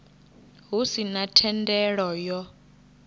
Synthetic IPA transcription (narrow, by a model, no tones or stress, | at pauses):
ɦusinatʰɛndʼɛɺɔjɔ